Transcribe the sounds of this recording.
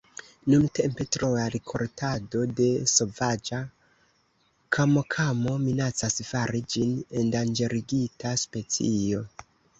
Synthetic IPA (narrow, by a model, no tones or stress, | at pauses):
nunte̞mpe̞tɾoaɾikʰo̞̰ɾtʰado̞de̞so̞vad͡ʒa | kʰamokʰamo̞minat͡sasfaɾid͡ʒine̞ndand͡ʒe̞ɾiɡitʰaspe̞t͡sio̞